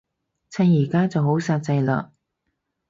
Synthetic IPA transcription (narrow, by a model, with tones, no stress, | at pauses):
t͡sʰɐ˧njiː˨˩kaː˥t͡sɐ˨who˨˥wsaː˧t̚t͡sɐ˧jlœ̰ː˨